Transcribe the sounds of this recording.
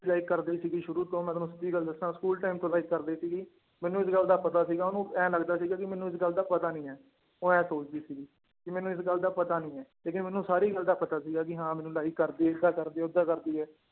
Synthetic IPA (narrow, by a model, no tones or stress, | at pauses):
laːɪkːəɾd̪iːsiːɡiːʃʊɾuːt̪õːmɛ̃ːt̪ːnũːsət̪ːiːɡəld̪əsnãːskuːlʈaːɪmt̪õːlaːɪkːəɾd̪iːsiːɡiː | mɛ̃ːnũːɪsɡəld̪aːpət̪aːsiːɡaːʊnũːɛ̃ːləɡd̪aːsiːɡaːkɪmɛːnũːɪsɡəld̪aːpət̪aːnĩːɛː | oːɛ̃ːsoːt͡ʃd̪iːsiːɡiː | kɪmɛːnũːɪsɡəld̪aːpət̪aːnĩːɛːleːkɪnmɛ̃ːnũːsaːɾiːɡəld̪aːpət̪aːsiːɡaːk̬ɪɦãːmɛːnũːlaːɪkːəɾd̪iːek̪ʰaːkəɾd̪iːʊd̪ːaːkəɾd̪iːɦɛː